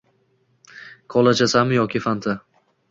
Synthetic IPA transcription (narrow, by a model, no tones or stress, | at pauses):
kʰɒlˠat͡ʃʰasamjɒkʲɪfant̪ʰa